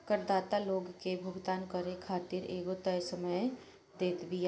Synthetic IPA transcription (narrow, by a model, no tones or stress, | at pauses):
kəɾd̪aːt̪aloːɡkebʱʊɡd̪aːnkəɾekʰaːt̪iɾeːɡot̪əjsəməj | d̪eːt̪bij